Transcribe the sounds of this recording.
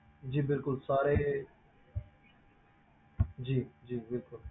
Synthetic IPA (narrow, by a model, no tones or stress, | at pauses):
d͡ʒiːbɪlkʊlsaːɾeː | d͡ʒiːd͡ʒiːbɪlkʊl